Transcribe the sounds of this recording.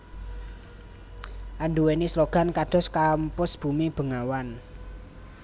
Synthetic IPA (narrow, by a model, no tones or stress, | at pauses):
ʔanɖuwenisloɡ̥a̤nkaɖ̥ɔ̤skampʊsb̥ṳmib̥ə̤ŋawan